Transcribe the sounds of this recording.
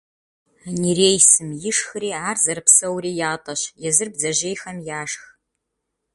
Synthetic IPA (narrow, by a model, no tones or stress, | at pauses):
nireːjsɨmjɪʂxɨɾiːaːrzɐɾɨpsɐwɾiːjaːtʼɐɕjɛzɨrb̚zɐʑeːjxɐmjaːʂx